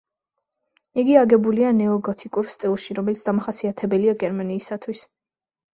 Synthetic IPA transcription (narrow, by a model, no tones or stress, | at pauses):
iɡiaɡɛbulianɛɔɡɔt̪ʰikʼuɾst̪ʼilˠʃiɾɔmɛlit̪ʰd̪amaχasiat̪ʰɛbɛliaɡɛɾmaniːsat̪ʰwis